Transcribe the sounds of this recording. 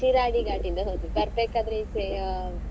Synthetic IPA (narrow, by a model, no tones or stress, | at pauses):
iɾaːɡiɡaːʈind̪ɐɦot̪ikɐɾpeːkaːd̪ɐɾeise